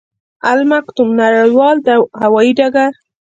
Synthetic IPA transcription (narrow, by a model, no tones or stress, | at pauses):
almaqt̪umnaɾəjwɑld̪əhawɑjiɖaɡaɾ